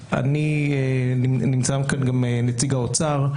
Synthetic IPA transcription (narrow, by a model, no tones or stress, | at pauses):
ʔa̰nieninimt͡saamkanɡamenet͡siɡaot͡saʁ